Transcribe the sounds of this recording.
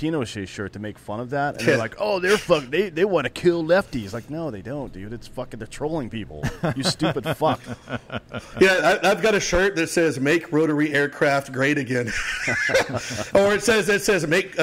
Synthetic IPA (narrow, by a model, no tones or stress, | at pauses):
ĩñoʊɨz̥ʃeɪʃɜ˞tʰɨmeɪkfʌ̃nʌvðætɨ̰nnðə˞laɪkoʊðə˞fʌkðeɪðeɪwɑ̃nɨkʰɪlˠlɛftiz̥laɪk̚noʊðeɪdõʊ̃nd̥ɨɾɨtsfʌkɨ̃nðə˞tʰɹ̥oʊlˠɪ̃ŋpipl̩ˠjɨ˞stʉpɨd̥fʌk̚ | jæaɪaɪvɡɑɾɨʃɜ˞t̪̚ðɨtsɛzmeɪkʰɹoʊɾə˞iɛɹkʰɹ̥æft̚ɡ̥ɹeɪɾɨɡɛ̃n | ə˞ɨtsɛzɨtsɛzmeɪk